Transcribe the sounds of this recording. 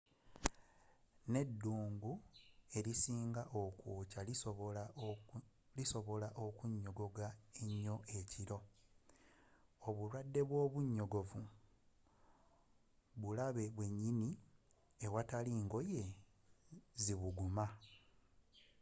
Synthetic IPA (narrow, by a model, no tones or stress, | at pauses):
ne̞dːuːŋɡue̞ɾisiːŋɡaʔo̞kuːcala | liso̞βo̞laʔokuɲːo̞ɡo̞ɡaeɲːo̞ʔe̞ciɾo̞ | oβuɾwadːe̞βwo̞ːβuɲːo̞ɡo̞vu | βulaβe̞βwe̞ɲːini | ewataliːŋɡo̞je̞ | ziβuɡuma